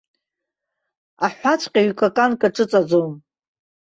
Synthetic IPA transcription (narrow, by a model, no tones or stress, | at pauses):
aħʷat͡ʃʷʰʼqʲʼaɥkʰʼakʼankʼaʈ͡ʂʼɨt͡sʼad͡zom